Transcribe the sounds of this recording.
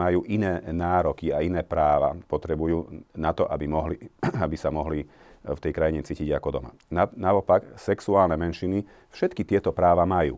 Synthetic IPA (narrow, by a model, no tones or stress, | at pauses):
majuːʔinɛːnaːɾɔkiainɛːpɾaːʋa̰pɔt̪ɾɛbujuːnat̪ɔʔabimɔɦliabisamɔɦli | ft̪ɛjkɾajiɲɛt͡siːciɟakɔd̪ɔma̰ | anaɔpaksɛksuaːlnɛmɛnʃini | fʃɛt̪kit̪ɪɛt̪ɔpɾaːʋamajṵː